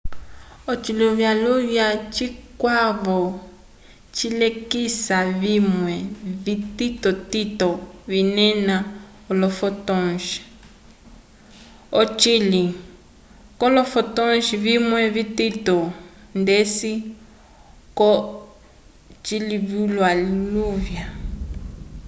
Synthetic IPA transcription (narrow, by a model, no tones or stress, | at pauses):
ɔt͡ʃilɔβjalɔβjat͡ʃikwaβɔ | t͡ʃilekisaβimwɛβititɔtitɔβinɛna | ɔlɔfɔtɔnʃi̥ | ɔt͡ʃili | kɔlɔfɔtɔnʃiβimwɛβititɔndesi | kɔ | t͡ʃiliβulwaliluvja